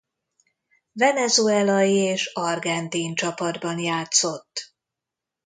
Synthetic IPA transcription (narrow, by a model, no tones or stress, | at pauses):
vɛnɛzuɛlɒjieːʃɒrɡɛnt̪iːnt͡ʃɒpɒd̪bɒnjaːt̪so̞t̪ː